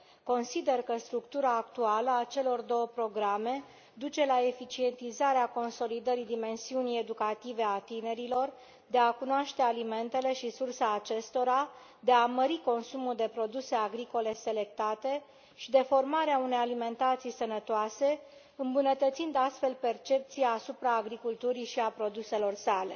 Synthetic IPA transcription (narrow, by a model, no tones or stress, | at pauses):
ko̞nsid̪e̞rkəst̪ɾukt̪uɾaːkt̪ualəat͡ʃe̞lo̞rd̪o̞wəpɾo̞ɡɾame̞ | d̪ut͡ʃe̞lae̞fit͡ʃie̞nt̪izaɾeako̞nso̞lid̪əɾid̪ime̞nsiunije̞d̪ukat̪ive̞at̪ine̞ɾilo̞r | d̪e̞akunoaʃt̪e̞alime̞nt̪e̞le̞ʃisursaːt͡ʃe̞st̪o̞ɾa | d̪e̞aməɾiko̞nsumuld̪e̞pɾo̞d̪use̞aɡɾiko̞le̞se̞le̞k̚t̪at̪e̞ | ʃid̪e̞fo̞rmaɾeaune̞jalime̞nt̪at̪sijsənət̪oase̞ | ɨmbunət̪ət̪sind̪ast̪fe̞lpe̞rt͡ʃe̞p̚t̪sijaːsupɾaːɡɾikult̪uɾiʃiapɾo̞d̪use̞lo̞rsale̞̰